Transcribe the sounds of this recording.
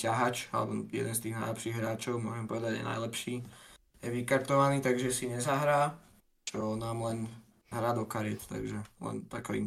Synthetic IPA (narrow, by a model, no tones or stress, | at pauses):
caɦat͡ʃa̰lɛ̰bɔjɛ̰d̪ɛnst̪iːɣnajlɛpʃiːɣɦɾaːt͡ʃɔʊmʊɔʒɛmpɔʋɛd̪aɟjɛ̰na̰jlɛpʃiː | jɛʋikaɾt̪ɔʋaniːt̪aɡʒɛsiɲɛzaɦɾaː | t͡ʃɔnaːmlɛn | ɦɾaːd̪ɔkaɾɪɛt̪t̪a̰ɡʒɛlɛ̰nt̪akɔḭm